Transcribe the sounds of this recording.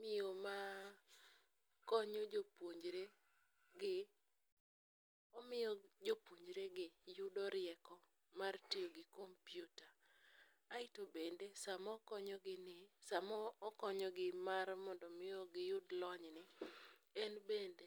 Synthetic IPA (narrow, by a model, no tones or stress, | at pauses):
mɪoma | kɔɲod͡ʒopwoɲd͡ʒɾe | ɡɪ | ɔmɪod͡ʒopoɲd͡ʒɾeɡɪjʊdɔɾɪɛkɔ | martijoɡɪkompjuta | aɪtobendesamɔkɔɲɔɡɪnɪsamɔkɔɲɔɡɪmarmɔndɔmɪoɡɪjʊdlɔɲnɪ | ɛnbende